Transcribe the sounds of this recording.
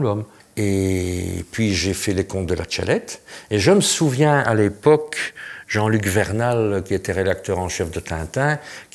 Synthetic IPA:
lɔm | e | pɥiʒefɛlekɔ̃t̪̚d̪əlʔa̰t͡ʃa̰lɛt̪eʒəməsuvjɛ̃ʔa̰lepɔkʒ̥ɑ̃lykvɛʁnalkʲiet̪ɛʁed̪ak̚t̪œːʁɑ̃ʃɛfd̪ət̪ɛ̰̃t̪ɛ̃kʲ

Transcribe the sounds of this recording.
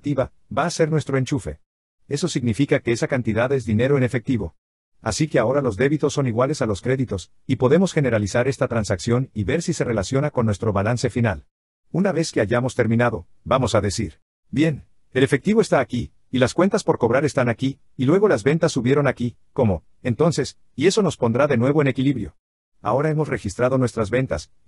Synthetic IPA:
t̪iβa | baːse̞ɾnwe̞st̪ɾo̞e̞nt͡ʃufe̞ | e̞so̞siɣnifikake̞esakant̪iðaðe̞zðine̞ɾo̞ene̞fe̞k̚t̪iβo̞ | a̰sike̞ao̞ɾalo̞zðe̞βit̪osːo̞niɣwale̞salo̞skɾe̞ðit̪o̞s | ipo̞ðe̞mo̞sxe̞ne̞ɾalisaɾe̞st̪at̪ɾansaksjo̞niβe̞ɾsise̞re̞lasjo̞nako̞nːwest̪ɾo̞βalanse̞final | unaβe̞ske̞aʝamo̞st̪e̞ɾmĩnaðo̞ | bamo̞saðe̞siɾ | bje̞n | e̞le̞fe̞k̚t̪iβoe̞st̪aːkiː | laskwe̞nt̪aspo̞ɾko̞βɾaɾe̞st̪anakiː | lwe̞ɣ̞o̞lazβe̞nt̪asːuβjeɾonaki | ko̞mo̞ | ent̪o̞nse̞s | ie̞so̞no̞spo̞nd̪ɾaðe̞nwe̞β̞o̞ene̞kiliβɾjo̞̰ | a̰o̞ɾae̞mo̞sre̞xist̪ɾað̞o̞nwest̪ɾazβe̞nt̪a̰s

